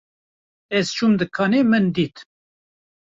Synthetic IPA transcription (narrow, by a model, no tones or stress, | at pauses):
ɛz̥t͡ʃʰumd̪ɨkʰɑːnemɨnd̪iːt̪